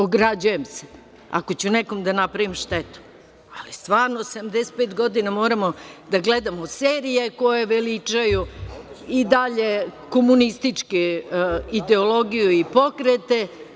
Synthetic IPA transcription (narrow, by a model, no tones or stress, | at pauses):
oɡɾad͡ʑujemse̥ | a̰kot͡ɕuneko̞md̪anapɾaʋimʃt̪et̪u̥ | alist̪ʋaːɾnosamd̪ese̥t̪̚peːt̪ɡo̞d̪inamo̞ːɾamod̪aɡled̪amoseːɾije̞ko̞jeʋelit͡ʂaju | id̪aʎe̞komunist̪it͡ʃki | id̪eolo̞ɡijuipo̞kɾet̪e̞